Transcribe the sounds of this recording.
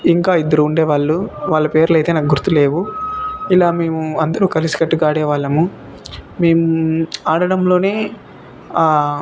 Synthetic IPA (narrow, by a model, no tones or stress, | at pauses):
iŋkaːid̪ːɐɾuːɳɖeːʋaːɭːuʋaːɭːɐpe̞ːɾulɐjt̪e̞ːnaːkɡuɾt̪ːule̞ːʋuilaːmeːmuɐnd̪ɐɾuːkɐlisi̥kɐʈːuɡaːɽɛːʋaːɭːɐmu | me̞ːmuaːɽɐɽɐmlo̞ːne̞ː